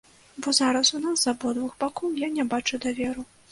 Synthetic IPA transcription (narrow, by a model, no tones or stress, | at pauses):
bɔzaɾɐsunaszɐbɔd̪vuxbakɔwjanʲɛbat͡ʂud̪avʲɛɾu